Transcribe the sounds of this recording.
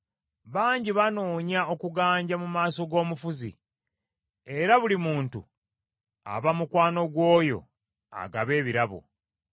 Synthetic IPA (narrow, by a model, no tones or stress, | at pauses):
βaːɲɟiβano̞ːɲao̞kuɡaːɲɟamumaːso̞ɡo̞ːmufuzḭ | eɾaβulimuːntṵ | a̰βamukwaːno̞ɡwo̞ːjo̞̰ | a̰ɡa̰βe̞ːβiɾaβo̞̰